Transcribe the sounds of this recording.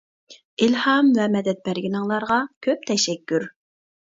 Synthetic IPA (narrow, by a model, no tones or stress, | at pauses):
ilhɑmvɛmɛd̪ɛt̪̚bæɾɡʲinɪŋlˠɑɾʁɑkʲʰøp̚t̪ʰɛʃɛkʲːyɾ